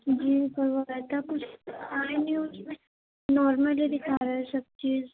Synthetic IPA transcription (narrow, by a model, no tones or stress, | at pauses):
d͡ʒiːbəɾʋaɛt̪akʊt͡ʃʰaːɾnjiuʊzmẽ | nɔːɾməlid̪ɪkʰaːɾɐɦɛsɐb̚t͡ʃiːz